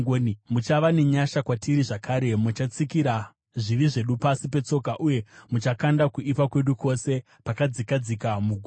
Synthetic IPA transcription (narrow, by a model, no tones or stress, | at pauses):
onimut͡ʃaʋane̞ɲaʃakwatiɾiʐakʰaːɾe̞mut͡ʃat͡sikiɾa | ʐiʋiʐe̞ɗupasipe̞t͡so̞kaʔuje̞mut͡ʃakandakuʔipakwe̞ɗukʰo̞se̞ | pakad͡zikad͡zikamuɡʱu